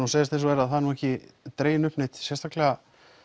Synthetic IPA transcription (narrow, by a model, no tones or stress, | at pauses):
unseːjðɪst̪ejnsɔɛɾaðθanuːɛhcɪt̪ɾeːjɪnʏpnɪt̪sjɛst̪aklɛɣa